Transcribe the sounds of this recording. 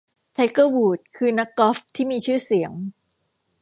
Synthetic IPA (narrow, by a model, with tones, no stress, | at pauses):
t̪ʰa˦˥kɤː˥˩wuː˨˩t̪̚kʰɯː˧na˦˥kːɔ˦˥ft̪ʰiː˥˩miː˧t͡ɕʰɯː˥˩si˩˦əŋ